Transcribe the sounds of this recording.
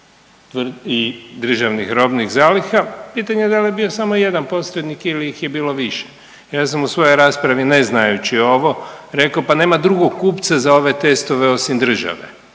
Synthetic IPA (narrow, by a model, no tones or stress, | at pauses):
t̪ʋid̪r̩ʒaʋnixɾo̞bnixzaːlixapiːt̪aɲed̪aljebio̞samo̞je̞d̪anpo̞sɾed̪nikiliixjebiːlo̞ʋiʃe̥ | jaːsamusʋo̞jojɾaːspɾaʋineznajut͡ɕio̞ʋo̞ɾe̞kaopane̞ːmad̪ɾuɡoɡkːuːpt̪sazao̞ʋe̞t̪e̞st̪o̞ʋeo̞simd̪r̩ʒa̰ʋe̞̰